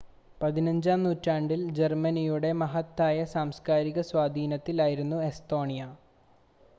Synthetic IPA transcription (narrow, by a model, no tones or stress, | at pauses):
pɐðinɐɲd͡ʑaːmnuːtːaːɳɖild͡ʑermɐnijuɽe̞mɐɦɐt̪ːaːjɐsaːmskaːɾiɣɐswaːd̪ʱiːnɐt̪ːilaːjiɾunːue̞st̪o̞ːɳijɐ